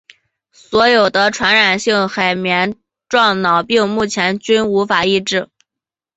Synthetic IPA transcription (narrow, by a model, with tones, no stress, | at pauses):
swɔ˧˥jo˨˩ʊd̪ə˦ʈ͡ʂʰwa˧˥nɻa˨˩nɕi˥˩ŋxa˨˩ɪmjɛ˧˥n | ʈ͡ʂwɑ˥˩ŋnɑ˨˩ʊpi˥˧ŋmu˥˩t͡ɕʰjɛ˧˥nt͡ɕy˥nu˧˥fa˨˩i˥˧ʈ͡ʂɻ̩˥˩